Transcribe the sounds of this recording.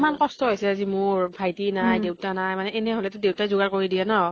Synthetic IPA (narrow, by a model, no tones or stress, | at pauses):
mankɔstɔɦojsɛazimʊɹbʰʱajtinajdewtanajmanɛenɛɦolɛtʊdewtazuɡaɹkoɹidijɛnɔ